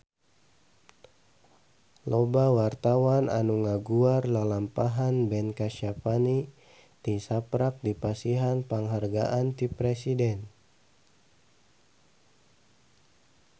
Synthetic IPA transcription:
lobawart̪awana̰nuŋaɡuarlalampaɦanbɛnkaʃapani | t̪isapɾak̚dipasiɦanpaŋɦarɡaʔant̪ipɾɛsidɛn

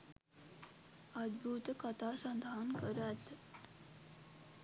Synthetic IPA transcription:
əd̪̚bʱut̪kət̪ʰaːsɐnd̪ʱaːnkəɾət̪

